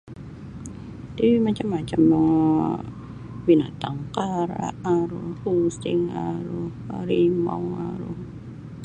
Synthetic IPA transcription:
d̪iwimat͡ʃamːat͡ʃam | binat̪aŋkaɾa̰ʔaɾohustɪŋaɾo | ɾimɔ̰waɾo

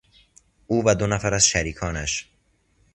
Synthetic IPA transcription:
ʔuːvæd̪onæfæɾæzʃæɾiːkʰɒːnæʃ

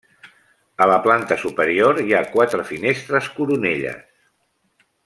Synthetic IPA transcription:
ələplant̪əsupəɾioɾiakwat̪ɾəfinest̪ɾəskuɾuneʎə̰s

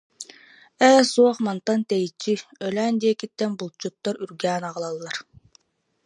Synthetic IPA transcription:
ɛːsuɔχmant̪ant̪ɛjit͡ɕːiœlæːnd̪iɛkit̪ːɛnbulˠt͡ɕut̪ːɔɾyɾɡæːnaʁɯlˠalˠːaɾ

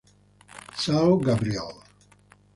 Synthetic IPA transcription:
t͡sawɡabɾiɛlˠ

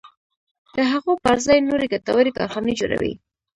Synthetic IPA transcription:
d̪̥əɦaɣopaɾzɑjnoɾeɡat̪awaɾekɑ̰ɾxɑned͡ʒoɾa̰wḭ

